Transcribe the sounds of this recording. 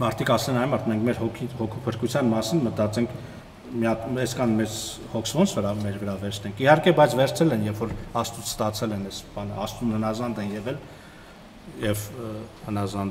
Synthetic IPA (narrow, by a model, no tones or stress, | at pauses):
mɑɾt̪ʰikɑslɛnɑj̪mɑɾt̪ʰmɛŋkʰmɛɾhɔkʰihɔkʰupʰəɾkut͡sʰjɑnmɑsinmət̪ɑt͡sɛŋkʰ | miɑpɛskʰɑnmɛt͡s | hɔkʰsvɔnt͡sʰvəɾɑmɛɾvəɾɑvɛɾt͡sʰnɛŋkʰihɑɾkɛbɑjt͡sʰvɛɾt͡sʰɛlɛnjɛfɔɾɑst̪ut͡sʰst̪ɑt͡sʰɛlɛnɛsb̥ɑnə̰ɑ̰st̪unhənɑzɑnd̪ɛnjɛvɛl | jɛvhənɑzɑnd̪